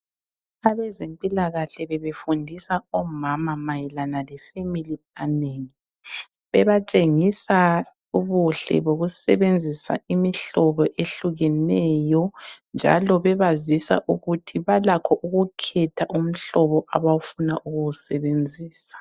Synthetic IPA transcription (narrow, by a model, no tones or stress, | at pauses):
aβɛzempʼilaɣaɬɛβɛβefundʱisaɔmamamajilanalɛfemili | aneŋi | βɛβat͡ʃʼeŋisa | uβuɬɛ̰βoɣusɛ̰βend͡zʱisa̰imiɬɔβɔʔeɬuɣɛnɛjɔnd͡ʒʱa̰lɔβɛβazisa̰ʔuɣutʰiβalakʰɔʔuɣukʰɛtʰaʔum̩ɬɔβɔʔaβawufunaʔuɣuɣusɛβend͡zʱiːsḁ